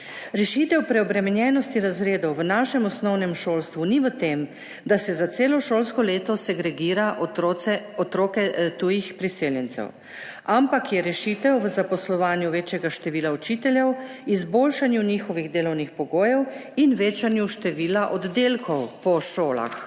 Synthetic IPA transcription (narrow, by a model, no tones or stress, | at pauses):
ɾɛʃit̪ɛwpɾɛɔbɾɛmɛnjɛnɔst̪iɾazɾeːd̪ɔwʋənaːʃɛmɔsnɔwnɛmʃoːlst̪ʋuniʋət̪em | d̪asɛzat̪seːlɔʃoːlskɔleːt̪ɔsɛɡɾɛɡiːɾaʔɛɔt̪ɾoːkɛt̪ujixpɾiseːljɛnt̪sɛ̰w | ampakjɛɾɛʃit̪ɛwʋəzapɔslɔʋaːnjuʋeːt͡ʃjɛɡaʃt̪ɛʋiːlaɔt͡ʃiːt̪ɛljɛwizboːlʃanjunixɔʋiɣd̪eːlɔwnixpɔɡoːjɛwinʋeːt͡ʃanjuʃt̪ɛʋiːlaʔɔd̪d̪eːlkʰɔwpɔʃoːla̰x